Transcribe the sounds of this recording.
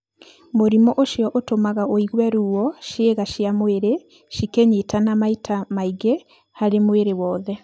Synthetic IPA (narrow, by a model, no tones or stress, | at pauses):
moɾimɔʔoʃjɔʔotomaɣaoiɣwɛɾuːwɔʃeɣaʃjamweɾe | ʃikeɲetanamaitʰamaiɣe | haɾemweɾewɔːðɛ